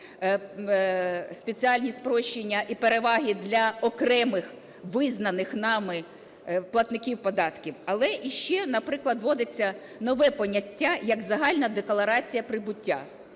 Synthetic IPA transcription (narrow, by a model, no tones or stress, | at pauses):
sʲpʲet͡sʲiɑlʲnʲispɾɔʃt͡ʃːenʲːɐʔipeɾeʋɑɦʲid̪lʲɐɔkɾɛmɪx | ʋɪznɐnɪxnɑmɪ | plˠɐt̪nɪkʲiwpɔd̪ɑt̪kʲiwɐlˠɛʔiʃt͡ʃɛnɐpɾɪklˠɐd̪ʋɔd̪ɪt͡sʲːɐ | nɔʋɛpɔnʲɐtʲːajɐɡzɐɦɑlʲnɐd̪eklˠɐɾɑt͡sʲijɐpɾɪbʊtʲːa̰